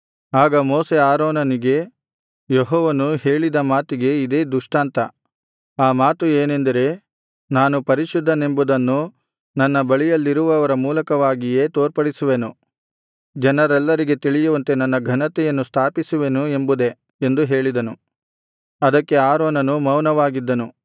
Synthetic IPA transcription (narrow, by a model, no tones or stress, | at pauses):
aːɡɐmoːse̞aːɾoːnɐniɡe̞ | jeɦɔːʋɐnuhe̞ːɭid̪ɐmaːt̪iɡe̞id̪e̞ːd̪uʂʈaːnt̪ɐ | aːmaːt̪ueːne̞nd̪ɐɾe̞ː | naːnupɐɾiʃud̪ʱːɐne̞mbud̪ɐnːu | nɐnːɐbɐɭijɐlːiɾuʋɐʋɐɾɐmuːlɐkɐʋaːɡije̞ːt̪oːɾpɐɽisuʋenu | d͡ʒɐnɐɾɛlːɐɾiɡe̞t̪iɭijuʋɐnt̪e̞nɐnːɐɡʱɐnɐt̪ɛjɐnːust̪ʰaːpisuʋe̞nue̞mbud̪e̞ | end̪uɦe̞ːɭid̪ɐnu | ɐd̪ɐkːe̞aːɾoːnɐnumɐwnɐʋaːɡid̪ːɐnu